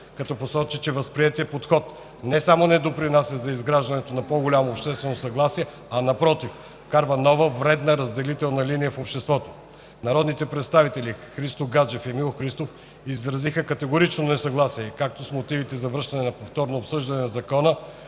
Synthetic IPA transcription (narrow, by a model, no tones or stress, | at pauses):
kɐt̪ɔposɔt͡ʃit͡ʃɛvəspɾiɛt̪iəpot̪xɔt̪ | nɛsamonɛd̪opɾinasʲəzɐizɡɾaʒd̪ɐnɛt̪onɐpoɡolʲamoːpʃt̪ɛst̪vɛnosɐɡlˠasiɛ | ɐnɐpɾɔt̪if | kaɾvənɔvəvɾɛd̪nəɾɐzd̪ɛlit̪ɛlˠnɐlinijəfopʃt̪ɛst̪vɔt̪o̥ | nɐɾɔd̪nit̪ɛpɾɛt̪st̪avit̪ɛlʲixɾist̪oɡad͡ʒɛfɛmilˠoxɾist̪of | izɾɐzixəkɐt̪ɛɡoɾit͡ʃnonɛsɐɡlˠasiɛkak̚t̪osmot̪ivit̪ɛzɐvəɾʃt̪ɐnɛnɐpoft̪ɔɾnoːpsɤʒd̪ɐnɛnɐzɐkɔnə